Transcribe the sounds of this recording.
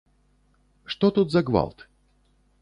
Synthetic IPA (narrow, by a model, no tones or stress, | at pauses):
ʂt̪ot̪ut̪zɐɡva̰lˠt̪